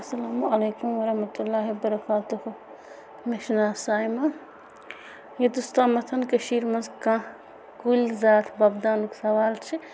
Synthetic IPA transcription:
ɐsɐlaːmuɐleːkumwɐɾɐhmɐt̪ulːaːɦibɐɾɐkaːt̪uhu | meʃnaːsaːjma | jed̪ust̪aːmɐt̪ʰɐnkɐʃiːɾmɐzkã | kulzaːt̪ʰbɐbd̪aːnuksɐʋaːlt͡ʃʰi

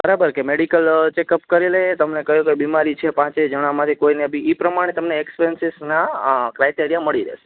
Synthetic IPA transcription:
bbəɾabəɾkemeɽikəlt͡ʃekəpkəɾelet̪əmnekəɦjũkebimaɾit͡ʃʰepãt͡ʃed͡ʒəɽ̃amãt̪ʰikoinebiːpɾəmaɽ̃et̪əmneːkspensɪsnakɾajʈiɾijaməɭiɾḛʃe

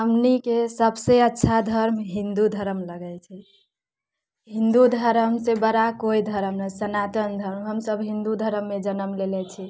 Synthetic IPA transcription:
ɦəmnikesəbseətːʃʰad̪ʱəɾmɦĩnd̪ud̪ʱəɾəmləɡɛt͡ʃʰi | ɦĩnd̪ud̪ʱəɾmsebəɾakoid̪ʱəɾəmnəsənat̪ənd̪ʱəɾmɦəmsəbɦĩnd̪ud̪ʱəɾəmːed͡ʒənəmlelɛt͡ʃʰi

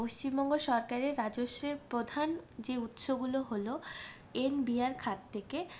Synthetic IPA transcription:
oʃt͡ɕimbɔŋɡoʃɔɾkaɾeːad͡ʑoʃeɾpɾod̪ʱand͡ʑeut̪ʃoɡuloɦolo | enbiaɾkʰat̪ːʰeke

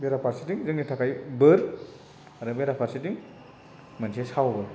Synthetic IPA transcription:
beɾapʰaɾsitiŋzɯŋnitʰakajbɯɾ | aɾɯbeɾapʰaɾsitiŋ | mɐnsʰesawbɯ

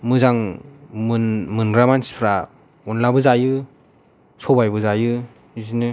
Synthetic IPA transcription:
mɯzaŋmɯnmɯnɡɾamanspʰɾa | ɔnlabɯzajɯ | sʰɔbajbɯzajɯ | izinɯ

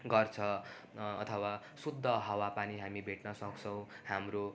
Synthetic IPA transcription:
ɡʌrt͡sʰʌː | t̪ʰʌwa | sud̪ʱːʌɦʌwapaniɦamibʱeʈnʌsʌkt͡sʰʌw̃ | hamro

